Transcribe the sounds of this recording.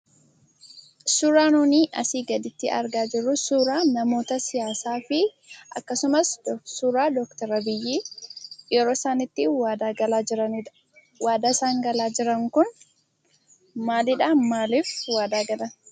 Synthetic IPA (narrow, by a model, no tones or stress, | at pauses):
suːɾaːnuːniːʔɐ̰siːɡɐd̪ɪt̪ːɪʔɐ̰ɾɡaːd͡ʒɪrːʊsuːɾaːnɐmo̞ːt̪ɐsɪjaːsaːfɪ | ʔɐ̰kːɐsʊmɐsd̪ɔsuːɾaːd̪ɔkt̪ɐɾɐbɪjːiːjɛɾo̞ːsaːnɪt̪ːɪwaːd̪aːɡɐlaːɪɾɐnɪᶑɐ̥ | waːd̪asaːŋɡɐlaːd͡ʒɪɾɐŋkʊn | maːlɪᶑaːmaːliːfwaːd̪aːɡɐlɐn